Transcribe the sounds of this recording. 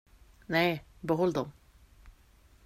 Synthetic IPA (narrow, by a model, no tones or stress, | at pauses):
nɛɪbəɦɔld̪ɔm